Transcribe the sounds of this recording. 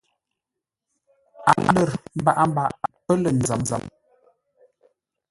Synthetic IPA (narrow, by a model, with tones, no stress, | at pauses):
a̰˨˦lə˨ɾm̩˦ba˦ʔa˦m̩˦ba˨ʔa˨pə˦lə˨n̩˨zə˨˦mza̰˨˦m